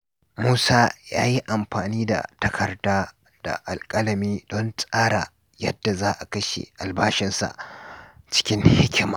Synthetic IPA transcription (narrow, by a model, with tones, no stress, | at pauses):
muː˦saː˦ja̰ː˦ji˦ʔa˨mɸaː˨niː˦da̰˨tɐ˦kʰɐ˨rdaː˦ | d̥a̰˨ʔa˨lkʼɐ˦lɐ˨miː˦dɔ˦nt͡sʼaː˦ɽa˨ | jɐ˦dːa˨zaː˦ʔa˨kɐ˦ʃḛ˨ʔa˨lbaː˦ʃɪ˦nsa̰˨ʔ | t͡ʃɪ̥˦kʲɪ˦ŋhɪ˦kʲɪ˦maː˨